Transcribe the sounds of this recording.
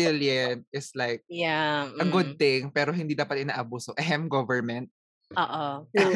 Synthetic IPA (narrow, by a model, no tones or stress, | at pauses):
ɪljɐnɪslajk̚jaɐɡʊd̪̚t̪ɪŋpɛːɾoɦɪnd̪iːd̪aːpɐt̪̚ʔɪnaːʔɐbuːsoʔɛɦɛmɡɔvɛɹmɛnt̪̚ | oːʔo